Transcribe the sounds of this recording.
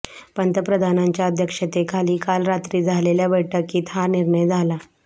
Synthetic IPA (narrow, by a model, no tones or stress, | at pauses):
pənt̪əpɾəd̪ʱanaɲt͡ɕjaəd̪ʱjəkʂət̪ekʰaliːkalɾat̪ɾiːd͡zʱaleljabəʈəkːiːt̪ʰaɾniɾɳəjd͡zʱala